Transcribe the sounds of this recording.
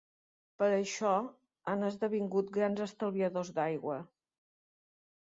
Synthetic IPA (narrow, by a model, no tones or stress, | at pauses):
pəɾəʃɔ | anəzðəβ̞iŋɡut̪̚ɡɾanzəst̪əlˠβiəðozd̪ajɣwə